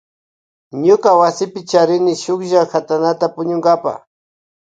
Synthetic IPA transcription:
ɲʊkawasɪpɪt͡ʃaɾɪnɪʃʊkʒaxat̪anat̪apʊɲʊŋɡapa̰

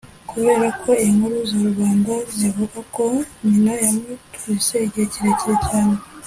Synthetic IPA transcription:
kuβe̞ːɾakʰo̞eŋuɾuzoɾuβaːŋɡazjaβuɡako̞ɲinajamutuɾiseɟeciɾeciɾecaːne

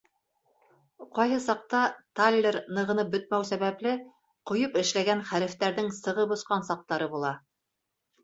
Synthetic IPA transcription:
qɑjɦɤsɑq̚t̪ɑt̪alʲːeɾnɤ̆ʁɤ̆nɤp̚bɵ̆t̪̚mæwsæβæplɘ | qŏjɤpɘ̆ʃlæɡænχæɾɘ̆ft̪æɾðɘŋsɤ̆ʁɤbŏsqɑnsɑq̚t̪ɑɾɤbulˠɑ

